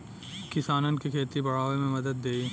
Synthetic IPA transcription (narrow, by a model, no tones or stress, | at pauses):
kɪsaːnənkikʰeːt̪ibɐɽ̤aːʋemẽmɐd̪əd̪ːeːi